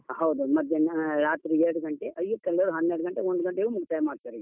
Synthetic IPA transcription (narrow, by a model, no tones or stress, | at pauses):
ɦɐwd̪umɐd̪ʱjɐnɾaːt̪ɾieɾɽuɡɐɳʈeʔɐjjukːɛlːɐɾuɦɐnːeɾɽuɡɐɳʈeoɳɖuɡɐɳʈeumukʰt̪aːjɐmaːɖt̪aɾi